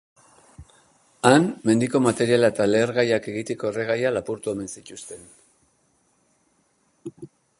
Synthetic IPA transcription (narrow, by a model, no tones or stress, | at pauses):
anme̞nd̪iko̞mat̪e̞ɾialaet̪ale̞ːɾɣajake̞ɣit̪e̞ko̞ere̞ɣ̞ajalapuɾt̪ue̞me̞nsic̪ust̪e̞n